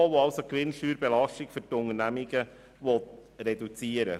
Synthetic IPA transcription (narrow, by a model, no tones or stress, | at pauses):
ʋoɑʊsokʋɪnʃyːɾbɛlɑʃtɪkfyɾtʊnərnæmiɡə | ʋɔtɾɛdut͡siːəɾə̰